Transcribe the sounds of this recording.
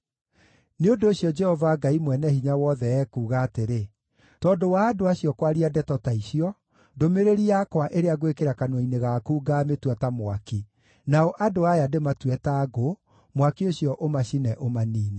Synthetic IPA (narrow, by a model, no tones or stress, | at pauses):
neondoːɕjɔd͡ʒɛhɔvaɡaimwɛnɛhiɲawɔðɛɛkuːɣaːteɾe | tɔːndowaːdoaɕiɔkwaɾiadɛtɔtaiɕiɔ | domeɾeɾiakwaʔeɾeaɣwekeɾakanwɔineɣakuːɡaːmetwatamwaki | naɔʔadoajadematwɛtaɡo | mwakioɕjɔʔomaɕinɛʔomaniːnɛ